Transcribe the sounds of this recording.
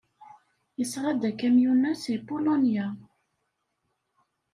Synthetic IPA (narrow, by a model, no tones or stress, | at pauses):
jəsˤɾˤɑd̪ækæmjunːæsipulonja